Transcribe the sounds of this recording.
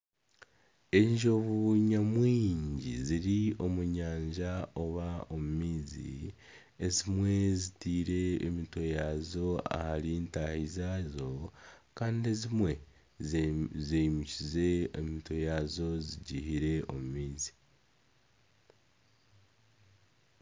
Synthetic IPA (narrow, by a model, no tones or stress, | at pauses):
e̞ɲʒo̞βuɲamwiːɲɟḭziɾio̞muɲaːɲʒao̞βao̞mumiːzḭ | ezimwe̞zitiːɾe̞ːmito̞jaːzo̞a̰haɾintahizazo̞kaːndiezimwe̞ | zeimicize̞emito̞jaːzo̞ziɟihiɾe̞ʔo̞̰mumiːzi̥